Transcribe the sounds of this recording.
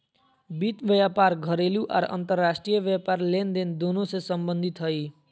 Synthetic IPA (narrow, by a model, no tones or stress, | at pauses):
bit̪ʋəjapaɾɡʱəɾeljũʔa̰ɾə̰nt̪əɾːasʈɾijəʋəpaɾlend̪end̪onosesəmbənd̪ʱit̪ɦəi